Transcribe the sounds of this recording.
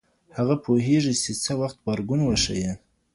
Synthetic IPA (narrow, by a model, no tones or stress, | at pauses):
haɣapʰoɦeʐit͡ʃet͡səwaxt̪̚baɾɡunwaʂa̰je